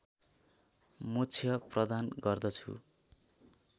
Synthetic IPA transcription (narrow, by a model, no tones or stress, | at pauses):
mot͡sʰjʌprʌd̪anɡʌrd̪ʌt͡sʰṵ